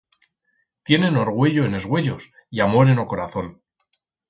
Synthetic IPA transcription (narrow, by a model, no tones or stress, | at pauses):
t̪je̞ne̞no̞ɾɣ̞we̞ʎoene̞zɣwe̞ʎo̞s | iamo̞ɾe̞no̞ko̞ɾaθo̞n